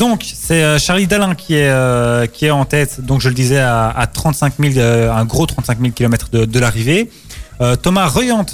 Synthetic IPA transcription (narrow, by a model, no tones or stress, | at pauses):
d̪ɔ̃ksɛøʃaʁlid̪alɛ̃kʲʰiɛøkʲiɛɑ̃t̪ɛt̪d̪ɔ̃kʒələd̪izɛa̰ːt̪χɑ̃t̪sɛ̃kmiløɛ̃ɡʁot̪χɑ̃t̪sɛ̃kmilkʲilɔmɛt̪χd̪əd̪əlaʁive | øt̪ɔmaʁəjɑ̃t̪